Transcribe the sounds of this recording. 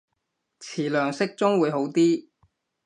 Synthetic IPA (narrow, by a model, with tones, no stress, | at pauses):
t͡sʰiː˨˩lœː˨˩ŋsɪ˥k̚t͡sʊ˥ŋwuː˨˧jɦo˨˥wt̪iː˥